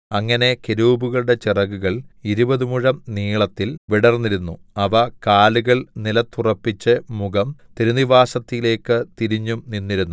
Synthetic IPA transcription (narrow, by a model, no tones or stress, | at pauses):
ɐŋːɐne̞keɾuːbuɣɐɭuɽe̞t͡ɕirɐɣːuɣɐɭiɾubɐðumuɻɐmniːɭɐt̪ːilʋiɽɐrnːiɾunːuɐʋɐkaːluɣɐɭnilɐt̪ːurɐpːit͡ɕːɨmuɣɐmt̪eɾuniʋaːsɐt̪ːijile̞ːkːɨt̪iɾiɲːumninːiɾunːu